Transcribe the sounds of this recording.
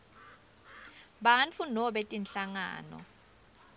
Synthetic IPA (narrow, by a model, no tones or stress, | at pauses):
ɓant͡fʰunɔɓɛtʼinɬaŋa̰ːnɔ̰